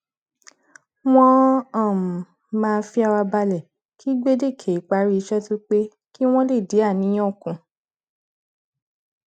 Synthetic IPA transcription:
w̃ɔ̃˦ã˦˨ | mãː˧fi˦a˧wa˧ba˧lɛ˨ | kʰi˦ɡ͡be˦de˦˨kʰe˨i˨˦k͡pa˨˦ɾi˦i˧˦ʃɛ˦tu˦k͡pe˦ | ki˦w̃ɔ̃˦le˦˨de˨˦a˦˨nĩ˨˦j̃ɔ̃˦˨kũ˨˧

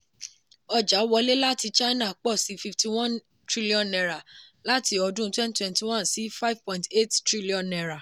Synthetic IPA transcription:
ɔ˧d͡ʒa˨˦wɔ˧le˦la˦ti˧t͡ʃa˦inã˦˨k͡pɔ˦˨si˨˦fi˧fti˧wã˦n | tɾi˦li˦ɔ̃˨nːɛ˧ɾa˨la˦ti˧˦ɔ˧dũ˦twɛ̃˦ntwɛ̃˧nti˨wã˦nsi˦fa˦ivpɔ̃˧˨ĩnte˦˨ttɾi˦li˦ɔ̃˨nːɛ˨ɾa˨

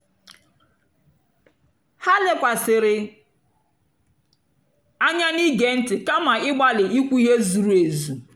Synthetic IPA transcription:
ha˦lɪ˦kʷa˨sɪ˨ɾɪ˨ | a˦ɲa˦ni˦ɡe˨n̩˦tɪ˨ka˦ma˨ɪ˦ɡ͡ba˦lɪ˨i˦kʷu˦i˦ɦe˦zu˨ɾu˦e˨zu˨

